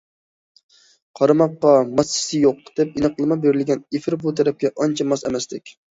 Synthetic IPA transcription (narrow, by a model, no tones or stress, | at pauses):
qʰɑɾɑmɑqːɑmɑst͡ʃʰɪ̥sɪjoq̚d̪̥ɛp̚inɨqlˠɨmɑbeɾɪlɡʲɛnefɪɾbut̪ʰɛɾɛp̚kʲɛʔɑnt͡ʃʰɛmɑsɛmɛst̪ɪkʲ